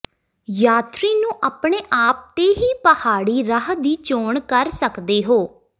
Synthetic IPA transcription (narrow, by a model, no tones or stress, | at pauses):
jaːt̪ɾiːnũːʔaːpɳeːʔaːp̚t̪eːɦiːpəhaːɽiːɾəɦd̪iːt͡ʃoːɳkəɾsəkd̪eːɦoː